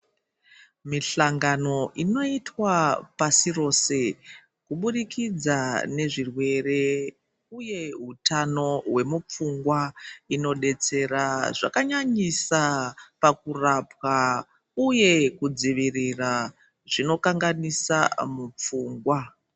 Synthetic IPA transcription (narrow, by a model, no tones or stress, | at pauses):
miɬaŋɡano̞ʔino̞itwapasiro̞se̞ | kuɓuɗikid͡zane̞ʐirwe̞re̞ | uje̞ɦutano̞we̞mup͡fuŋɡwaino̞ɗe̞t͡se̞ɾaʐa̰kaɲaɲisapakurapwa | uje̞kud͡ziʋirira | ʐ̥ino̞kaŋɡanisamup͡fuːŋɡwa